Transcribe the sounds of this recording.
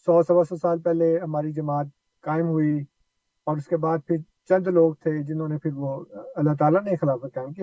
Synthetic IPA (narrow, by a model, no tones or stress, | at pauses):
sɔːsɐbasɔsaːlpɛɦleɦɐmaːɾid͡ʒɐmaːt̪̚ | kaːɪmɦʊi | ɔːɾʊskebaːd̪̚pʰɪɾ | t͡ʃɐ̃nd̪loːɡ̚t̪ʰed͡ʒɪnɦõnepʰɪɾʋoɐlːaɦt̪̬aːlaneixɪlaːfəkaːmkia